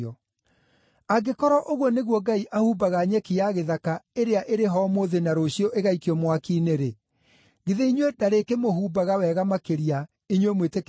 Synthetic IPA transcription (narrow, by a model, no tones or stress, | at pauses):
ɔ | aɡekɔɾɔʔoɣwɔneɣwɔɡaiʔahuːbaɣaɲɛkijaɣeðakaeɾeaʔeɾeɦɔmoðenaɾoɕjɔʔeɣaikiɔmwakineɾe | ɡeðeiɲwedaɾekemoɦuːbaɣawɛːɣamakeɾia | iɲwemwetek